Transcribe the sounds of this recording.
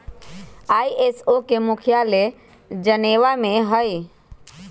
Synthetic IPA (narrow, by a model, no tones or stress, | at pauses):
aːiʔesokemʊkʰjale | d͡ʒəneːʋamẽɦəj